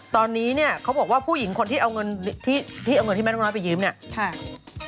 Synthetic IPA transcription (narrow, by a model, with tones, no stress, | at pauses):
t̪ɔː˧nːiː˦˥ni˥˩ɐkʰa˦˥wbɔ˨˩k̚waː˥˩pʰuː˥˩ji˩˦ŋkʰo˧nt̪iː˥˩ʔa˧wŋɤ˧nt̪ʰiː˥˩t̪ʰiː˥˩ʔa˧wŋɤ˧nt̪i˥˩ɛ˥˩˥nɔ˦˥pa˨jɯː˦˥mni˥˩ɐkʰa˥˩